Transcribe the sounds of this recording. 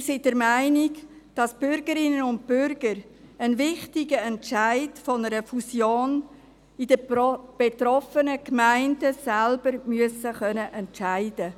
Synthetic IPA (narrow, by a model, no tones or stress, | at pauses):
sidɛɾmæɪnɪɡ | d̥ɑsb̥ʏɾɡəɾɪnənʊnd̚pʏɾɡ̥əɾ | ənvɪχtɪɡəɛntʃaæɪdfɔnəɾəfusjoːn | idəb̥et̪ɾɔfənəkmæɪndəsɛlb̥əɾmyəsəχœnəʔɛntt͡ʃæɪdə